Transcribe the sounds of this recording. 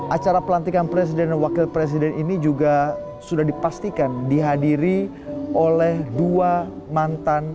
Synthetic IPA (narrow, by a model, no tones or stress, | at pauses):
ʔat͡ʃaɾapəlant̪ikanpɾes̬idɛnwakilpɾes̬idɛninid͡ʒuɡa | sudahdipast̪ikandiɦadiɾi | ʔolɛhdua | mant̪an